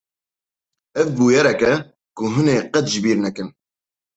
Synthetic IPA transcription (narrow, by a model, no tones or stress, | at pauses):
ɛvbuːjɛɾɛkɛ | kʊɦʊneːqɛt̪ʒɪbiːɾnɛkɨn